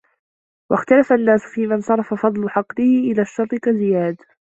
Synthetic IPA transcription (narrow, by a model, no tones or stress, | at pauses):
wa̰xt̪alafanːaːsʊ̥fiːmansˤɑɾˤɑfafɑd̪ˤlʊħɑqlɪhɪʔɪlaːʃːɑɾˤt̪ˤɨkazɪjaːd̪